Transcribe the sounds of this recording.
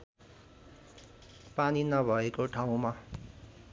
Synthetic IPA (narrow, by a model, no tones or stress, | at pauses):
paninʌbʱʌekoʈʰaw̃ma